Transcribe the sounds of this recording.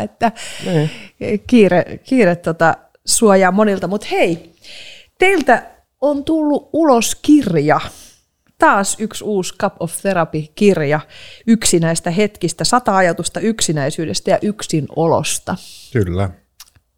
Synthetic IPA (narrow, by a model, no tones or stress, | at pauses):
et̪ːænː | kiːrekiːret̪ːot̪ɑ | suojɑːmonilt̪ɑmut̪hei | t̪eilt̪æ | ont̪ulːuʔʔuloskirjɑ | t̪ɑːsyksuːskɑpofθeɾɑpikirjɑyksinæist̪æhet̪kist̪æsɑt̪ɑɑjɑt̪ust̪ɑyksinæisyːdest̪æjɑʔyksinolo̰st̪ɑkylːæ